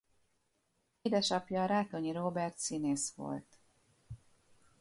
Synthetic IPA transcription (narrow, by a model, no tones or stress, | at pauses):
eːd̪ɛʃɒpjɒːɾaːt̪oɲiɾoːbɛrt̪sineːsʋo̞̰lt̪